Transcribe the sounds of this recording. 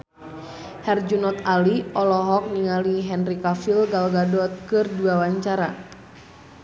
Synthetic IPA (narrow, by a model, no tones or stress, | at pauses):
hɛrd͡ʒunɔt̪aliɔlɔɦɔk̚niŋaliɦɛnrikafilɡalɡadɔt̪̚kɨrduawaɲt͡ʃaɾa